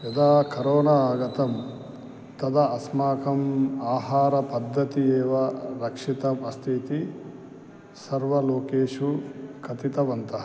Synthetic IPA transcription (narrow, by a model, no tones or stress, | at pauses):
jɐd̪aːkɐɾoːnaaːɡɐt̪ɐm | t̪ɐd̪ɐɐsmaːkɐmaːɦaːɾɐpɐd̪ʱːɐt̪ieːʋɐɾɐkʂit̪ɐmɐst̪ʰit̪i | sɐɾʋɐloːkeːʂukʰɐt̪it̪ɐʋɐnt̪ɐɦɐ